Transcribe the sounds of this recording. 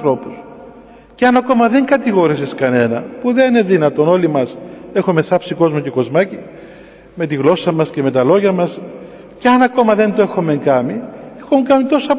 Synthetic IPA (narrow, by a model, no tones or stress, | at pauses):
θɾo̞pus | ceɐnɐko̞mɐðe̞ŋɡɐt̪iɣo̞ɾiseskɐne̞nɐ̰puðenineðinɐt̪o̞no̞limɐse̞xomeθɐpsiko̞zmoce̞ko̞zmɐci | me̞t̪iɣlo̞sɐmɐsce̞me̞t̪ɐlo̞ʝɐmɐs | ceɐnɐko̞mɐðe̞nd̪oe̞xo̞me̞ŋkɐmiexoŋkɐmit̪o̞sɐp